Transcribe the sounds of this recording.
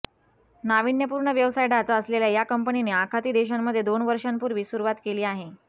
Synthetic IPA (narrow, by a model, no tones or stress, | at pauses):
naʋinjəpuːɾɳəʋjəʋsajɖat͡saəsleljajakəmpənineakʰat̪iːd̪eɕammːəd̪ʱːjed̪onʋəɾʂampuɾʋiːsuɾuʋat̪keliːaɦe